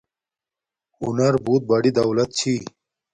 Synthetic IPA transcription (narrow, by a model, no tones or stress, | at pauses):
ṵnɐɾbuːt̪̚bɐɖid̪ɐwlɐt̪̚t͡ɕʰi